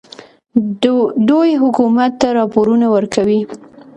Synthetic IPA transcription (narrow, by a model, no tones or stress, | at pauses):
d̪ojɦʊkumat̪ːaɾɑpoɾunawəɾkawi